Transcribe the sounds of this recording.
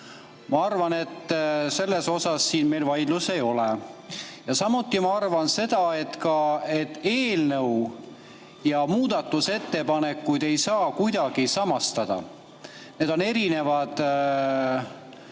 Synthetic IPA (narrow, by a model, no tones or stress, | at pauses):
mɑɑrvɑne̞t̪ːˑse̞lːe̞so̞sɑsːiːnme̞jlvɑjd̪luse̞jo̞le | jɑsɑmut̪ːˑimɑɑrvɑnse̞d̪̥ɑe̞t̪kɑe̞t̪ːˑe̞ːlnɤw | jɑmuːd̪̥ɑt̪ːˑuse̞t̪ːe̞pɑne̞kːˑujd̪̥e̞jsɑːkujd̪̥ɑɡ̥isɑmɑst̪ɑd̪̥ɑ̰ | ne̞d̪̥o̞ne̞ɾine̞vɑd̪̥